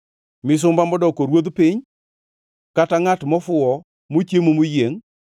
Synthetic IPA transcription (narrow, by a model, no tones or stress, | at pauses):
mɪs̬ʊmbamɔdɔkoɾwoðpɪɲ | kataŋatmɔfʊɔ | mot͡ʃemomʊjeŋ